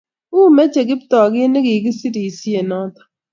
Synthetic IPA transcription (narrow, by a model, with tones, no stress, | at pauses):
u˦˨me˦t͡ʃe˨ɡɪ˦ptɔ˨ɡi˦ne˦ɡi˨ɡi˦si˦di˨si˦e˨nɔ˦tɔ̥˦